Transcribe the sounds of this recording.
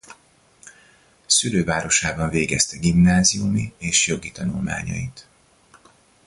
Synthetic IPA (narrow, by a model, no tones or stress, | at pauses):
syløːvaːɾo̞ʃaːbɒɱveːɡɛst̪ɛɡimnaːzijumieːʃjo̞ɡit̪ɒnulma̰ːɲɒ̰it̪